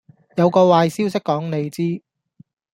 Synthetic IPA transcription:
jɐ˨˧wkɔː˧waː˧jsiː˥wsɪ˥kkɔː˨˥ŋne˨˧jt͡siː˥

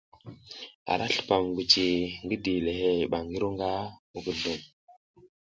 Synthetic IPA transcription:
a̰˨ɾʔa˦ɬə̥˨pa˨mɡu˨t͡ʃi˨ŋɡi˦di˨le˨he˦˨ɓa˨ŋɡi˦ɾu˦ŋɡa˦u˦ɡə˨ndə˨m

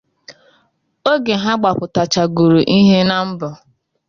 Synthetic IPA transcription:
o˦ɡe˨ɦa˦ɡ͡ba˨pʊ˨ta˨t͡ʃa˨ɡu˨ɾu˨ʔi˦ɦe˦na˦m̩˦bʊ˨

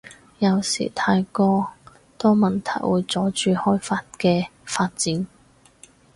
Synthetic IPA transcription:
jɐ˨˧wsḭː˨˩t̪ʰaː˧jkɔː˧ | t̪ɔː˥mɐ˨nt̪ʰɐ̰˨˩jwuː˨˧jt͡sɔː˨˥t͡ʃyː˧hɔː˥jfaː˧t̚kɛː˧faː˧t̚t͡siː˨˥n

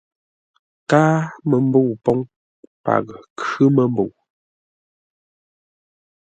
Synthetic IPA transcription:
kaː˦mə˨m˦bo˦˨pɔ˦ŋ | pa̰˨ɣkə˦mə˨m˦bo˨w

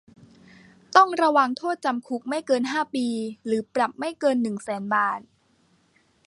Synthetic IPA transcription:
t̪ɔ˥˩ŋɾa˧wa˧ŋt̪ʰoː˥˩t̪̚t͡ɕa˧mkʰu˦˥k̚ma˥˩jkɤː˧nɦaː˥˩piː˧ɾɯː˩˦pɾa˨˩p̚ma˥˩jkɤː˧nːɯ˨˩ŋsɛː˩˦nbaː˨˩t̪̚

